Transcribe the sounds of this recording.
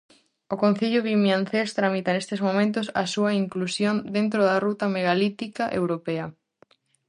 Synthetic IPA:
okon̟θiʎʊβimjan̟θest̪ɾamit̪ɐnest̪ezmomẽnt̪ʊsɐsuɐiŋklusjond̪ent̪ɾoðɐrut̪ɐmeɣalit̪ikɐʔḛwɾopeɐ

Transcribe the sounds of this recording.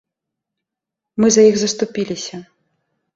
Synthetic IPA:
mɨzɐjiɣzɐst̪upʲilʲisʲɐ

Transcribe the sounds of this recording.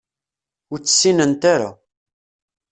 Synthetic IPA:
ʊɾt͡sːə̥sːinənt̪aɾa̰

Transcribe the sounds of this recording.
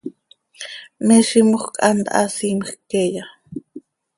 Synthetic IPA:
meʃimoχkʼand̪a̰ʔasimχkeja

